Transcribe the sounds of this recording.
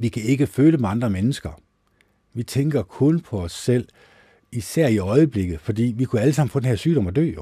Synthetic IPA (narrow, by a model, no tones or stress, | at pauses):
ʋikʰæe̝ɡ̥əføːləmeɑ̈nd̥ʁɐmenəsɡ̥ɐ | ʋit͡sʰeŋɡ̥ɐkʰɔ̽npʰɒ̽ɒ̽sːel̰ | isæɐ̰iɒ̽ɪəb̥le̝ɡ̥ð̩ˠfɒ̽d̥ḭːʋikʰuæləsɑ̈m̰n̩fɔ̽d̥enhɛɐ̰syːɾɒ̽mɒd̥ø̰ː